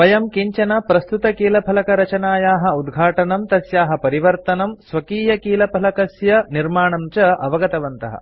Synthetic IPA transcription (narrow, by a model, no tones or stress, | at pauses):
pɐjɐmkiɲt͡ʃɐnɐpɾɐst̪ut̪ɐkiːlɐpʰɐlɐkɐɾɐt͡ʃɐnaːjaːɦɐud̪ɡʱaːʈɐnɐmt̪ɐsjaːɦɐpɐɾiʋɐɾt̪ɐnɐmsʋɐkiːjɐkiːlɐpʰɐlɐkɐsjɐniɾmaːɳɐmt͡ʃɐʔɐʋɐɡɐt̪ɐʋɐnt̪ɐ̰ɦɐ̰